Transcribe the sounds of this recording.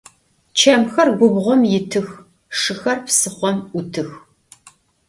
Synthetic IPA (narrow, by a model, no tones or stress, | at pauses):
t͡ʃʰɐmxɐrɡʷʊbʁʷɔmjɪtʰɨx | ʂɨxɐrpsɨχʷɔmʊtʰɨx